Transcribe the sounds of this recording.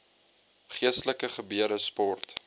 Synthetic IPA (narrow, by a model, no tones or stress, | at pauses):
χiəstləkəχəbyəɾəspɔrt